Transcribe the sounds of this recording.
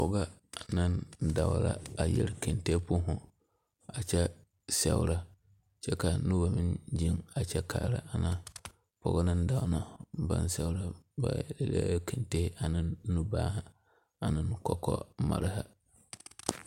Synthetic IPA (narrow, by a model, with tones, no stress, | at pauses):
pʰɔ˨ɡa˦a˨nɪ̃˦n̩˦da˨wɾa̰˦a˨jɛ̰˨ɾkʰɛ̃˨nte˦pʰʊ˦ɦʊ̃˨ | a˨t͡ɕʰɛ˦ | sɛ̰˨wɾa˦ | t͡ɕʰɛ˦ka˨˦nʊ̃˦ba˨mɪ̃˦n˦d͡ʒĩ˦ŋa˨t͡ɕʰɛ˦kʰaː˨ɾa̰˨a˨nã˨˦ | pʰɔ̰˨ɡa˦nɪ̃˦n̩˦da˨wnã˨m˦bã̰˦n˦sɛ˦wɾa˦ba̰˨dɛ˨lɛ̰˦kʰɛ̃˨nte˦a˨nɪ̃˦nː˦ũ˦baː˦ha˨ | a˨nɪ̃˦n˦kʰɔ˦kʰɔ̰˦mã̰˨ɾha˦